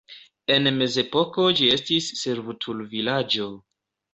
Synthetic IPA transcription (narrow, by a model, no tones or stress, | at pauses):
e̞nme̞ze̞po̞ko̞d͡ʒie̞stisːeɾvutʰulvilad͡ʒo̞